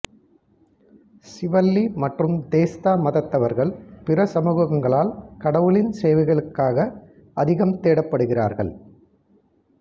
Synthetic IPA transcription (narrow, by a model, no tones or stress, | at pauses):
sɪʋɐlːimɐʈrɯmd̪eːst̪aːmɐðɐt̪ːɐʋɐɾɣɐɭpɪrɐsɐmɯɣɐɣɐŋɡɐɭaːlkɐɽɐʋɯɭɪnseːʋɪɣɐɭɯkːaːɣɐ | ɐðɪɣɐmt̪eːɽɐpːɐɽɯɣɪra̰ːɾɣɐ̰ɭ